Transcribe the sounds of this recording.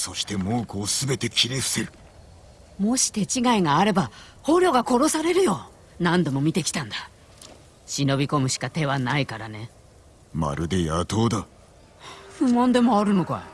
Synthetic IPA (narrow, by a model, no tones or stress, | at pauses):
so̞ɕi̥t̪e̞moːko̞ːsɨbe̞t̪e̞kʲineɯ̥seɾɯ̟ | mo̞ɕi̥t̪e̞t͡ɕiɡaiŋaːɾe̞ba | ho̞ːɾʲjo̞ːɡako̞ɾo̞saɾe̞ɾɯ̟jo̞ | nãnd̪o̞mo̞mʲit̪e̞kʲi̥t̪ãnd̪ḁ | ɕino̞bʲiko̞mɯ̟ɕi̥kat̪e̞βanaikaɾane̞ | ma̰ɾɯ̟d̪e̞jat̪o̞ːd̪a | ɸɯ̟mãnd̪e̞mo̞aɾɯ̟no̞koa̰